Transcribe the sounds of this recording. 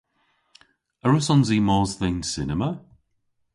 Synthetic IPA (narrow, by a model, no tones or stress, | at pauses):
əɹʊsɔnzimɔzðejnsɪnəmə